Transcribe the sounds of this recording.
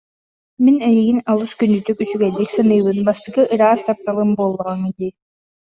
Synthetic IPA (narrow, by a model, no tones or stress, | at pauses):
minɛjiɡinalˠuskynd̪yt̪ykysyɡɛld̪iksɯnɯjbɯnbast̪ɯkɯʔɯɾaːst̪ap̚t̪alˠɯmboːlˠːɔʁɑŋid̪i